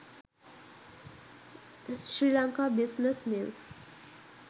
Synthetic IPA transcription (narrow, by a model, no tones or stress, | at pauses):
ʃɾilaŋkabisnesmins